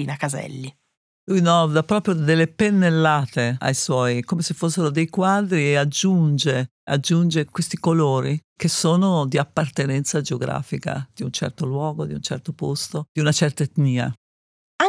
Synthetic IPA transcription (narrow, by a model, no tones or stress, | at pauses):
iːnakazɛ̰lːi | lujnɔd̪apɾɔːpɾjod̪elːepenːelːaːt̪ea̰jswɔjkomesefːos̬ːeɾod̪ejkwad̪ɾiead͡ʒːund͡ʒe | a̰d͡ʒːund͡ʒekwest̪ikoloːɾikesoːnod̪iapːart̪enɛnt̪sad͡ʒeoɡɾa̰ːfika̰d̪̥iunt͡ʃɛ̰rt̪olwɔːɡod̪iunt͡ʃɛ̰rt̪opost̪od̪̥iunat͡ʃɛrt̪aet̪niːa̰ | a